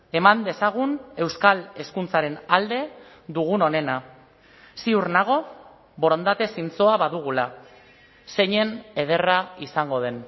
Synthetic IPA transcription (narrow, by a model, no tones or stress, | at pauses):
e̞mand̪e̞saɣ̞une̞wskale̞skunt͡saɾe̞nald̪e̞ | ðuɣ̞uno̞ne̞na | siuɾnaɣ̞o̞ | bo̞ɾond̪at̪e̞sint͡so̞aβaðuɣ̞ula | se̞ɲe̞ne̞ð̞e̞raisaŋɡo̞ð̞e̞n